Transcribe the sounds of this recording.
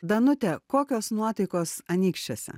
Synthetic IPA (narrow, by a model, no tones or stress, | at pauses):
d̪ɐnʊt̪ʲɛkoːkʲoːsnuɔt̪ɐɪkoːsɐnʲiːkʃʲt͡ʃʲoːsʲɛ̰